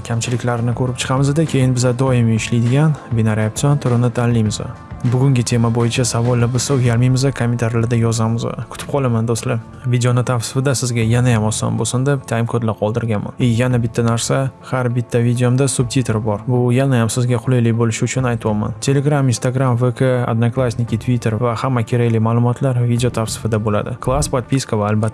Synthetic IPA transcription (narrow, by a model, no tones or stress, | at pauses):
kʲʰamt͡ʃʰɪlɪkʲlaɾɪnɪkʲʰɵɾɪp̚t͡ʃʰɨ̥qʰɑmɪzad̪ɪkʲʰe̞jɪnbɪzad̪ɒɪmɪʃlijd̪ɪɡʲanbenaɾiap̚t̪ɒnt̪ʰʊɾɪnɪt̪ʰallːijmɪza̰ | bʊɡʲʊŋɡʲɪt̪ʰe̞mabojɪt͡ʃʰasavɒlˠːabosaʊjaɾmijmɪzakʰomʲent̪ʰaɾlad̪ajɒzamɪza̰kʰʊ̥t̪ʰɪ̥p̚qʰɒlˠamand̪ost̪la | vid̪eonɪt̪ʰafsɪ̥fɪd̪asɪzɡʲajanajamɒsɒ̰nbosɪnd̪e̞pt̪ʰaɪmkʰɒd̪laqʰɒlˠd̪ɪɾɡʲanma̰nejanabɪt̪ʰːanaɾsahaɾbɪt̪ʰːavid̪ʲeomd̪asʊb̚t̪ʰit̪ʰe̞ɾbɒɾbʊjanajamsɪzɡʲaqʰʊlˠɪjlɪbolɪʃɪʊt͡ʃʰʊnajt̪ʰwɒma̰nt̪ʰe̞le̞ɡɾamɪnst̪aɡɾamvekʰaa̰d̪naklˠasʲnʲɪkʲit̪ʰvit̪ʰe̞ɾvahamːakʲʰe̞ɾaɡʲlɪmaːlˠʊmɒt̪ʰlaɾvid̪ʲejot̪ʰafsɪ̥fɪd̪abola̰d̪ɪklˠaspat̪̚piskavaːlbat̪ː